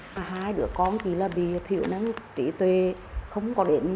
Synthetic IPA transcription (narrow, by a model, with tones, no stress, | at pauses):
a˨˩ɦaː˧jɗɨ̰˧˦əkɔ˧nt͡ɕi˧˩˦laː˨˩ɓḭ˧˨t̪ʰḭ˧˨ə˨wna˧˦nt͡ɕḭ˧˩˦t̪we˨˩ | xə˧wŋ͡mkɔ˨˦ɗe˨˦n